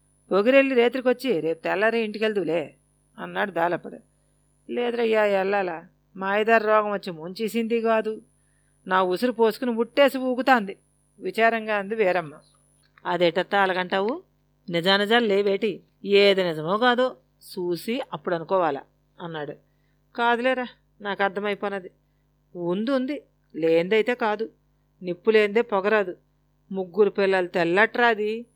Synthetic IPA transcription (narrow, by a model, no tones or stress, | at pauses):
poɡiɾe̞lːiɾe̞ːt̪ɾikot͡ʃːiɾeːput̪ɛlːɐɾeiɳʈikeld̪uleː | ɐnːaːɽud̪aːlɐpːɐɽṵ | lɛːd̪ɐɾɐjaːjɛlːaːla | maːjd̪aːɾɾɔːɡɐmʋɐt͡ʃːimuɲt͡ʃisind̪iɡaːd̪u | naːusuɾupoːsu̥kunibuʈːeːsiʋuːkut̪aːnd̪i | ʋit͡ʃaːɾɐŋɡaːund̪iʋɛːɾɐmːa | ɐd̪eːʈɐt̪ːɐɐlɐkɐɳʈaːʋu | nid͡ʒaːnɐd͡ʒaːlleːʋeːʈi | eːd̪ɐnid͡ʒɐmoːɡaːd̪oː | suːsiɐpːuɽɐnukɔːʋaːlɐ̰ | ɐnːaːɽu | kaːd̪uleːɾa | naːkɐɾd̪ʰʱɐmɐjipɔːnɐd̪i | und̪und̪i | leːnd̪ɐjt̪e̞ːkaːd̪u | nipːuleːnd̪eːpɔɡɐɾɐd̪u | muɡːuɾupilːɐlut̪ɛlːɐʈɾaːd̪i